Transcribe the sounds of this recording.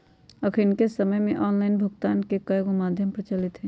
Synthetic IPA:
ɐkʰɾinkesəməjmẽʔɔːnlaːɪnbʱʊɡt̪aːnkekajɡomaːd̪ʱjəmpɾət͡ʃaːlɪt̪ɦɛː

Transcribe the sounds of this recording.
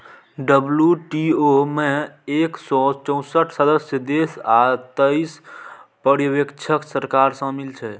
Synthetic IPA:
ɖəbljuʈiomeeksɔt͡ʃə̃ʊ̃səʈʰsəd̪əsjəd̪esat̪əispəɾiʋekt͡ʃʰəksəɾkaɾsə̃milt͡ʃʰɛ

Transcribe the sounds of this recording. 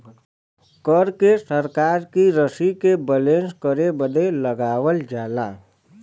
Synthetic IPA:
kəɾkesəɾkaːɾkiɾəsikebɛlẽːnskəɾebəd̪eləɡaːwəld͡ʒaːla̰ː

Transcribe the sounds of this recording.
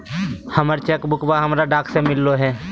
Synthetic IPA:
həməɾt͡ʃɛkbʊkbaɦəmɾaɖaːksemɪlːoɦɛː

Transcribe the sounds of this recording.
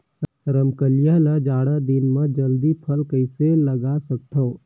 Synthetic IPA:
ɾəmkəlijalad͡ʒaːɽad̪ɪnməd͡ʒəld̪ipʰəlkəɪseləɡaːsək̚t̪ʰoː

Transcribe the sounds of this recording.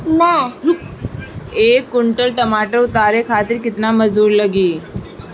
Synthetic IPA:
nə | eːkːʊɳʈəlʈɐmaːʈəɾʊt̪aːɾekʰaːt̪ɪɾkɪt̪namɐzd̪uːɾlɐɡiː

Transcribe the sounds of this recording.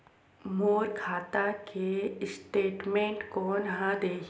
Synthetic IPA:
moːɾkʰaːt̪akesʈeːʈmẽːɳʈkonɐɦãd̪eːk

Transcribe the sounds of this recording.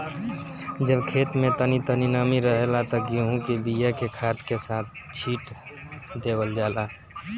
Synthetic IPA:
d͡ʒəbkʰet̪met̪ənit̪əninamiɾəɦelat̪ɔɡiɦũkebijakekʰat̪kesat̪̚ʰt͡ʃʰiʈ | d̪ebəld͡ʒala

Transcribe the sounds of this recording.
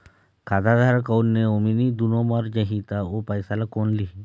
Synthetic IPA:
kad̪ʱad̪ʱaɾkəwnːeominid̪unomaɾd͡ʒəɦit̪aopəjsalakonli

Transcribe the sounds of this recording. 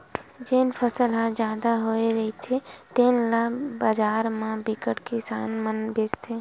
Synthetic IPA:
d͡ʒenpʰəsəlɦãd͡ʒjaːd̪aɦoːeɾɐɦit̪ʰet̪eːnlabaːd͡ʒaːɾmãbɪkəʈkesaːnmənbɪd͡ʒt̪ʰeː

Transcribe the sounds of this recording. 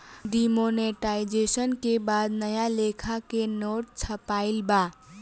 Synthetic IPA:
ɖimoneʈaɪd͡ʒesənkebaːd̪nəjalekʰakenoːʈ̚t͡ʃʰəpaːɪlba

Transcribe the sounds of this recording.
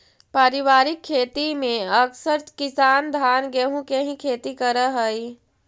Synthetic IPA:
paːɾɪʋaːɾɪkʰːeːt̪imẽəksəɾkɪsaːnd̪ʱaːnɡeɦũkeɦĩkʰeːt̪ikəɾəɦəi

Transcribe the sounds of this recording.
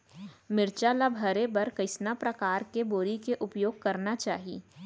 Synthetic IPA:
mɪɾt͡ʃaːlabʱɐɾebɐɾkɐɪsnapɾɐkaːɾkeboːɾikeʔʊpjoːɡ̚kɐɾnat͡ʃaːɦḭː

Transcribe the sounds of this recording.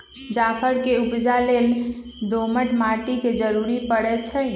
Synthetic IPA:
d͡ʒapʰəɾkeubd͡ʒalel | d̪oməʈmaʈiked͡ʒəɾuɾipəɽɛt̪̚t͡ʃʰə

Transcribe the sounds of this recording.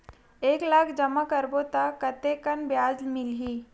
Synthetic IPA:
eːklaːkʰd͡ʒəmakəɾbot̪akːət̪ekənbjaːd͡ʒmɪlɦiː

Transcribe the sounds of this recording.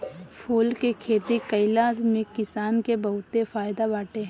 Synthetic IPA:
pʰuːlkekʰeːt̪ekɐɪlamẽkɪsaːnkebɐɦʊt̪efaːjd̪abaːʈeɦɛ̃

